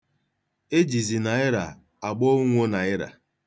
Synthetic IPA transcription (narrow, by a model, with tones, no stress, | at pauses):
e˦d͡ʒi˨zi˨na˨ɪ˦ɾa̰˨ | a˨ɡ͡bɔ˦ŋʷo˦na˨ɪ˦ɾa̰˨